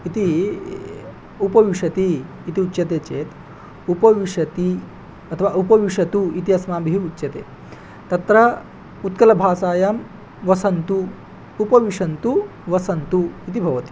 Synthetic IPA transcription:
it̪i | upɐʋiʂɐt̪i | it̪iutːɕɐt̪eːt͡ʃeːt̪ | upɐʋiʂɐt̪i | ɐt̪ʰɐʋaupɐʋiʂɐt̪uit̪iɐsmaːbʱiɦiutːʃɐt̪ḛː | t̪ɐt̪ɾɐ | ut̪kɐlɐbʱaːsaːjɐm | ʋɐsɐnt̪uː | pɐʋiʂɐnt̪u | ʋɐsɐnt̪uit̪̬ibʱɐʋɐt̪i̥

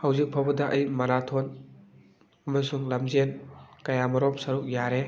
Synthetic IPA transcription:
hɐwzik̚pʰabɐdɐʔɐjmɐɾatʰon | ɐmɐsuŋlɐmzenkɐjamɐɾomsɐɾuk̚jaɾe

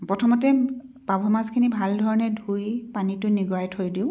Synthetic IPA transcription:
pɹɔtʰɔmɔtɛ | pabʱɔmazkʰinibʱaldʱɔɹɔnɛdʱujpanitʊniɡɔɹajtʰhojdiʊ

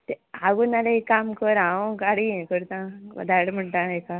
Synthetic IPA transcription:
t̪eaɡunaleekːamkəɾaõkaɽiẽkəɾt̪ãʋə̰d̪ʱaɽm̤əɳʈãeka

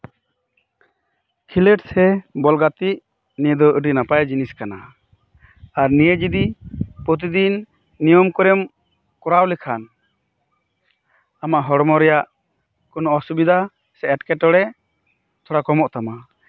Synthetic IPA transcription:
kʰilɛʈsɛbɔlɡat̪iʔ | nijəd̪ɔʔəɖinapajd͡ʒiniskana | aɾnijəd͡ʒid̪ipɾɔt̪̬id̪inː | ijɔmkɔɾɛm | kɔɾawlɛkʰan | amaʔɦɔɽɔmɔɾɛjaʔ | kɔnɔɔsubid̪ʱa | sɛɛʈkɛʈɔɽɛ | t̪ʰɔɽakɔmɔʔt̪ama

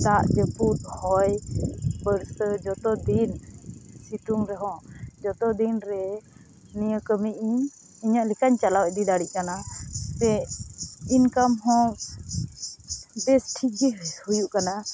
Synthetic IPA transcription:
t̪aʔd͡ʒəput̪̚hɔjpəɾsəd͡ʒɔt̪ɔd̪insit̪uŋɾɛɦɔ̃ʔd͡ʒɔt̪ɔd̪inɾɛ | nijəkəmiʔi | iɲaʔlɛkaɲt͡ʃalawʔd̪id̪aɽiʔkanasɛ | inkamɦɔ̃ | bɛsʈʰiɡihujuʔkana

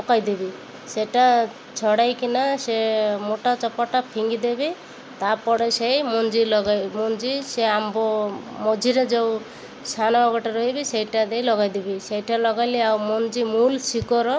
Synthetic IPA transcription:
ɔkajd̪ibi | seʈa | t͡ʃʰɔɽajkinasemoʈat͡ʃɔpɔʈapʰiŋɡid̪ebi | t̪apɔɽesejmɔnd͡ʒilɔɡamɔnd͡ʒiseambɔmɔd͡ʒʱiɾed͡ʒew | sanaɔɡɔʈaɾɔɦibisejʈad̪ejlɔɡajd̪ibisejʈalɔɡajliawmɔnd͡ʒimulsikɔɾɔ

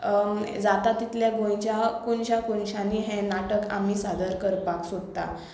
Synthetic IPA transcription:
d͡zat̪at̪it̪ljaɡõj̃t͡ɕjakoɳɕakoɳɕãniɦɛ̃naʈəka̰miːsad̪əɾkəɾpaksod̪t̪a̰

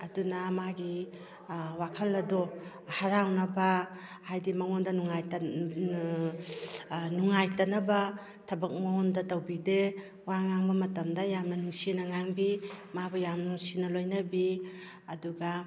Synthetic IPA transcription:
ɐdunamaɡi | wakʰɐlɐdɔ | haɾawnɐba | hajdimɐŋondɐnuŋaj | nuŋajtɐnɐba | tʰɐbɐk̚maŋɔndɐtɐwbide | waŋaŋbɐmɐtɐmdajamnɐnuŋsinɐŋaŋbimabɐjamnuŋsinɐlojnɐbi | ɐduɡa

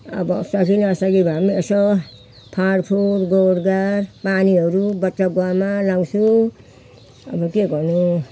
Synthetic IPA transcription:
ʌ̰bɔsakinaasaɡibamiesɔ | pʰaɾpʰuɾɡɔɾɡaɾpaniʌɾubʌtːaɡwamalaŋsu | ʌbɔkeɡɔnu

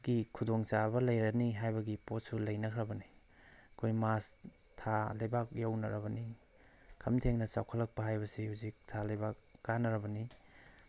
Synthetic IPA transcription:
ɡikʰudoŋt͡ʃabɐlɐjɾɐniɦajbɐɡipot̚sulɐjnɐkʰɾɐbɐni | ɐkʰojmas | tʰalɐjbak̚jawnɐɾɐbɐni | kʰɐmtʰeŋnɐt͡ʃawkʰɐlɐk̚pɐɦajbɐsihuzik̚tʰalɐjbakːanɐɾɐbɐni

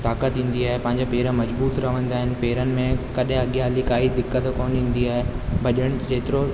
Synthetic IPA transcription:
t̪aːkət̪ɦĩːn̆d̪iaːɦepɐ̃ɦɪ̃ɲd͡ʑopeːɾəmɐzbuːt̪ɾɐʋə̃nd̪aːɦɪnɪ̆peːɾənɪ̆mẽkɐɗɦɪ̃ɐɠjaːlikaːid̪ɪkːət̪koːnĩːn̆d̪iaːɦe | bʱɐʄəɽ̃d͡ʑeːt̪ɪɾo

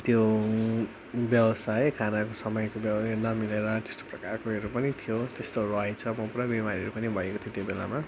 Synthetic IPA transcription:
t̪jo | bjʌwʌsajkʰanakosʌmʌjkobʌnʌmileɾʌt̪e̥st̪o̥prʌkarkoʌɾupʌnit̪ʰijot̪est̪orʌjt͡sʰʌmʌpuɽʌbimaɾiʌɾupʌnibʱʌekot̪ʰjot̪jobela̰ma

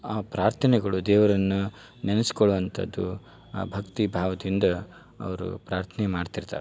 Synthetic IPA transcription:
aːpɾaːɾt̪ʰɐnɛɡɐɭud̪ɛːʋɐɾɐnːu | nenɐsi̥koɭuʋɐnt̪ʰɐ̰d̪ːu | bʱɐkt̪ibʱaːʋɐd̪ind̪ɐ | ɐ̰ʋɐɾṵpɾaːɾt̪ʰɐnɛmaːɖt̪iɾt̪a̰ːɾɛ

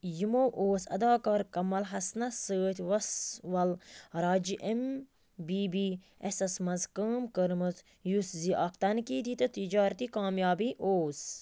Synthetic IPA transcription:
jimoːʔoːsɐ̰d̪aːkaɾkɐmɐlɦɐsnɐsəːt̪ʰʲʋɐsʋɐlɾaːd͡ʒiʔem | biːbiː | esɐsmɐzkəːmkəɾmɨz | jusziʔɐkt̪ɐnkiːd̪it̪ɨt̪id͡ʒaːɾt̪iːkaːmjaːbiːʔoːs

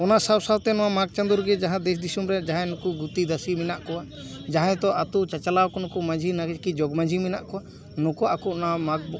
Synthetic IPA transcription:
ɔnaʔsawsawt̪ɛnɔwamaɡ̚t͡ʃãnd̪uɾɡɛd͡ʒaɦãd̪ɛs̬d̪isumɾɛd͡ʒaɦãnɔkuɡut̪id̪asiminaʔkɔwa | d͡ʒaɦãt̪ɔʔat̪ut͡ʃat͡ʃalawkɔnɔkumãd͡ʒʱinaɡɛd͡ʒkid͡ʒɔɡmãd͡ʒʱimina̰ʔkɔwa | nɔkɔʔakuʔɔnamaɡ̚bɔ

